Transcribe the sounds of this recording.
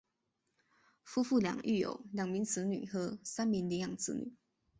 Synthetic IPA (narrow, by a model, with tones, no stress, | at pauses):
fu˥fu˥˩ljɑ̰˨˩ŋy̰˥˩jo̰˨˩ʊljɑ˨˩ŋmi˧˥ŋt͡sʰɹ̩˧˥ny̰˨˩xɤ˧˥sa˥nmi˧˥ŋli˧˥jɑ˨˩ŋt͡sʰɹ̩̰˧˥ny̰˨˩˦